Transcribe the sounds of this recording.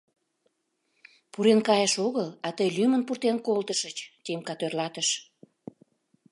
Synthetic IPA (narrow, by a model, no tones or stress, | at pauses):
puɾenkɑjəʃoɣəlɑt̪əjlymənpurt̪enkolt̪əʃət͡ɕt̪emkɑt̪ørlɑt̪əʃ